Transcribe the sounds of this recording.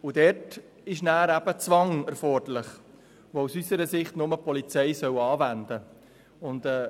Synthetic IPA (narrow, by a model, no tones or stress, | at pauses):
ʊdɛrt | ɪʃnæːɾæb̥ət͡sʋɑŋɛɾfɔrdəlɪχ | ʋousysəɾəsɪχtnʊməpʰɔlit͡sɛɪsœwɑːvændə | ʊndɛː